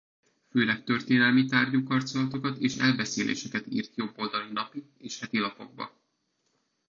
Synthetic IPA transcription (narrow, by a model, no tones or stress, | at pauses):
føːlɛkt̪ø̞rt̪eːnɛlmit̪aːrɟuːkɒrt̪so̞lɒt̪o̞kɒt̪eːʃɛlbɛseːlʔḛːʃɛkɛt̪ḭːrt̪jo̞bːo̞ld̪ɒlinɒpit̪eːʃhɛt̪ilɒpo̞̰ɡ̚bɒ̰